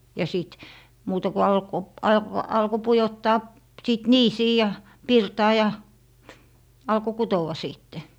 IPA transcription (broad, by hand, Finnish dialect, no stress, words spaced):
jɑ siˑt muːtɑ ku ɑlko ɑlk ɑlko pujotːɑː siˑt niːsiː jɑ pirtɑː jɑ ɑlko kutowɑ siˑtːe